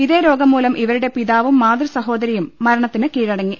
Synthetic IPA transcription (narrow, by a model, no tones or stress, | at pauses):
iðeːɾo̞ːɡɐmːuːlɐmʔiʋɐɾuɽe̞piðaːʋumːaːd̪rɐsɐɦo̞ːd̪ɐɾijumːɐɾɐɳɐt̪ːinɨkiːɻɐɽɐŋːi